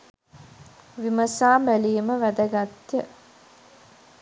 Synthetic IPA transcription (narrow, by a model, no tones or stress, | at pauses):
ʋiməsaːmbæliːməʋæd̪əɡat̪jə